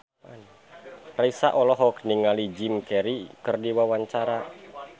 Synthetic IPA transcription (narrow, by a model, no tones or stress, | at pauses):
an | raisa̰ʔɔlɔɦɔkniŋalid͡ʒimkɛɾikɨrdiwawaɲt͡ʃaɾa